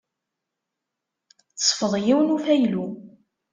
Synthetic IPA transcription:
θə̥sˤfəðˤjiwənufæjlu

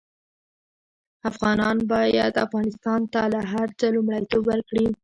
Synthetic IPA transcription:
afɣɑnɑnbɑjad̪afɣɑnɪst̪ɑnt̪alaɦaɾt͡səlumɽajt̪obwəɾkɽi

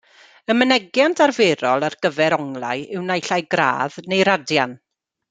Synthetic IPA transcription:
əmənɛɡjantʰarveɾɔlˠarɡ̥əvɛɾɔŋlˠa̰ɨɪwnajɬajɡra̰ːðnejɾadjan

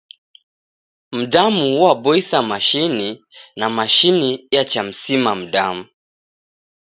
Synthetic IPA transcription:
m̩ɗamuuwaɓɔisamaʃininamaʃinijat͡ʃam̩simam̩ɗamu

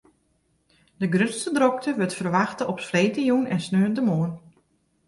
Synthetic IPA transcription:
dəɡrøtstədrɔk̚təʋøtfərʋaxtəʔɔpsfreːtəjunɛnsnøəndəmoən

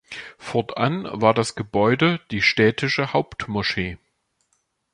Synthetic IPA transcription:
fɔɐtʔanvaːɐdasɡ̥əbɔʏdəd̥iːʃtɛːtʰɪʃəhaʊptmoʃeː

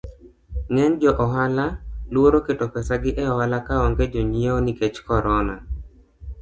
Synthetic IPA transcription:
ŋɛnd͡ʒɔʔɔɦalalwoɾoketopɛsaɡɪʔɛɔhalakaɔŋɡed͡ʒoɲieoniket͡ʃkɔɾɔna̰

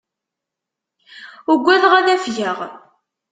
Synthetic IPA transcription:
ʊɡʷːæðʁaðæfʝəʁ

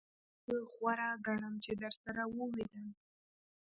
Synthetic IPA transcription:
wiχʷaɾaɡaramd͡ʒadarsaɾawʊlejdan

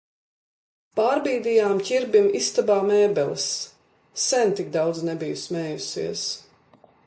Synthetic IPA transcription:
paːɾbiːd̪ijaːmcʲiɾbimist̪abaːmɛːbɛlˠsː | ɛnt̪ik̚d̪awd̪znɛbijusmɛːjusḭɛs

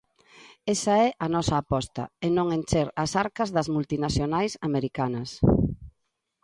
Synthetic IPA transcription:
esɐɛʔɐnɔsɐːpɔst̪ɐ̰enõŋent͡ʃeɾɐsaɾkɐzðɐzmult̪inaθjonajsameɾikanɐs

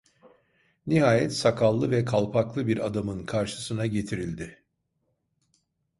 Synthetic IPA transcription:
niɦaːjɛt̪sakʰalˠːɯvɛkʰalˠpʰaklˠɯbiɾad̪amɯnkʰaɾʃɯ̥sɯnaɟe̞t̪ʰiɾilʲd̪ɪ

